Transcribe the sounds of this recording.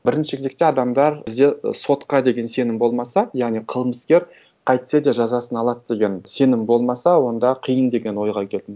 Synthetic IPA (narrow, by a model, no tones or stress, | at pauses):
bɪɾɪnʃɪkʰʲezek̚t̪e̞ɑd̪ɑmd̪ɑɾɪzd̪e̞so̞t̪qɑd̪e̞ɡʲe̞nse̞nɪmbo̞lˠmɑsɑjɑʁnijqʰəlˠməskʲe̞ɾ | qʰɑjt̪sed̪e̞ʒɑzɑsənɑlˠɑt̪d̪̥e̞ɡʲe̞nse̞nɪmbo̞lˠmɑsɑwo̞nd̪ɑqʰijənd̪e̞ɡʲe̞nwo̞jʁɑkʲʰe̞ld̪ɪm